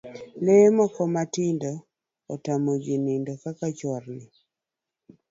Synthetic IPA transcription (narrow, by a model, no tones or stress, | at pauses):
lemɔkɔmatɪndɔː | tamod͡ʒinɪndokakat͡ʃɔɾnɪ